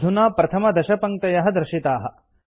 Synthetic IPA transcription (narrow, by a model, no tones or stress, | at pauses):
d̪ʱunaːpɾɐt̪ʰɐmɐd̪ɐʃɐpɐŋt̪ɐjɐɦɐd̪ɾɪʃit̪aːɦɐ̆